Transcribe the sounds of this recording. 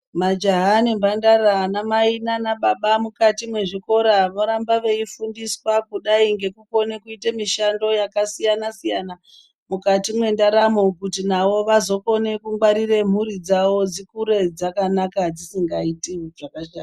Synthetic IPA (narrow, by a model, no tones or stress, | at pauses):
mad͡ʒaɦanimbandaranamainanaɓaɓamukatimwe̞ʐiko̞ɾaʋoɾambaʋe̞ifundiswakuɗaiŋɡe̞kuko̞nekuitamiʃando̞jakasijanasijana | mukatimwe̞ndaɾamokutinaʋo̞ʋazo̞ko̞ne̞kuŋɡwaɾire̞m̤uɾid͡zawo̞d͡zikuɾe̞d͡zakanakad͡zisiŋɡaitiʐakaʃan